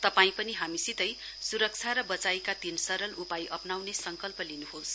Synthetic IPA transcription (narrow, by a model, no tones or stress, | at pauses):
t̪ʌpaĩpʌniɦamisit̪ʌj | suɾʌk̚t͡sʰaɾʌbʌt͡sajkat̪insʌɾʌlupajʔʌpnawnesʌŋkʌlpʌlinuɦos